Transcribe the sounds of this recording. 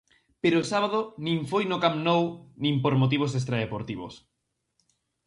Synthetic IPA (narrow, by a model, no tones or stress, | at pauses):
peɾoːsaβað̞onĩŋfojnokamnownĩmpoɾmot̪iβos̬est̪ɾaðepoɾt̪iβo̰s